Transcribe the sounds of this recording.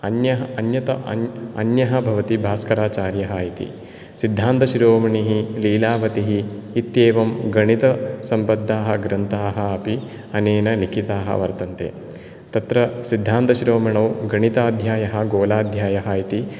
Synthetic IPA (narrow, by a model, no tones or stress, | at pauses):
ɐnjɐɦɐɐnjɐt̪ɐʔɐ̰njɐɦɐ̆bʱɐʋɐt̪ibʱaːskɐɾaːt͡ʃaːɾjɐɦaːjit̪ḭ | sid̪ʱːaːnt̪ɐʃɾoːmɐɳiɦiliːlaːʋɐt̪iɦiːt̪jeːʋɐmɡɐɳit̪ɐsɐmpɐd̪ʱːaːɦɐ̆ɡɾɐnt̪aːɦɐɐpi | ɐneːnɐnikʰit̪aːɦɐ̰ʋɐɾt̪ɐnt̪ḛː | t̪ɐt̪ɾɐsid̪ʱːaːnt̪ɐʃɾoːmɐɳɐwɡɐɳit̪aːd̪ʱjaːjɐɦɐ̆ɡoːlaːd̪ʱjaːjɐɦɐjit̪i